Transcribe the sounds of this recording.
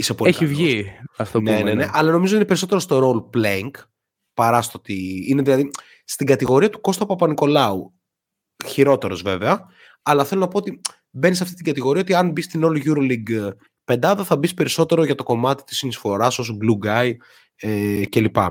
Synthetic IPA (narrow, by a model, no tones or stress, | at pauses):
isepoleçivʝiɐft̪oneneneʔɐlɐno̞mizot̪inepe̞ɾiso̞t̪e̞ɾost̪o̞ɾo̞lpleŋɡ | pɐɾɐst̪ot̪iine̞ðilɐði | st̪iɡɐt̪iɣo̞ɾiɐt̪u̥ko̞st̪opɐpɐniko̞lɐu | çiɾo̞t̪e̞ɾo̞zve̞veɐ | ɐlɐθelo̞nɐpo̞ot̪i | benisɐft̪i̥t̪iɡɐt̪iɣo̞ɾiɐot̪iɐnbist̪inolʝuɾoliɡ | pe̞nd̪ɐðɐθɐbispe̞ɾiso̞t̪e̞ɾo̞ʝɐt̪o̞ko̞mɐt̪i̥t̪isinisfo̞ɾɐsosoɡluɡɐj | ece̞lipɐ̰